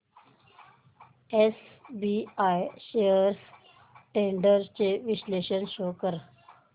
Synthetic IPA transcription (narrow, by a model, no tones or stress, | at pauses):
esbiːaːjʃejəɾs | ʈẽːɳɖəɾt͡ɕeʋɪsleːʃənʃoːkəɾ